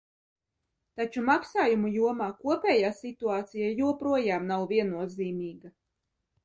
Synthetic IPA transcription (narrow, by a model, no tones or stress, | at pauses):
t̪at͡ʃumaksaːjumujuɔmaːkuɔpʲɛːjaːsit̪uaːt̪sijajuɔpɾuɔjaːmnawvʲiɛnːuɔziːmʲiːɡa